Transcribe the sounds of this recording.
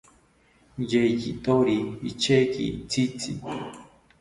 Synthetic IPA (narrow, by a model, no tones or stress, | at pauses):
jejit̪oɾiːt͡ʃekḭt͡sit͡sḭ